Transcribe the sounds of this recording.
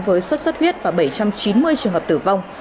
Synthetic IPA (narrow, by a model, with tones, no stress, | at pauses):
vəː˨˦jswə˦˥t̚swə˦˥t̚hwi˦˥ət̚vaː˨˩ɓə˧˩jt͡ɕa˧mt͡ɕi˨˦nmɨ˧əjt͡ɕɨ˨˩əŋɦə˨˩p̚t̪ɨ̰˧˩va˧wŋ͡m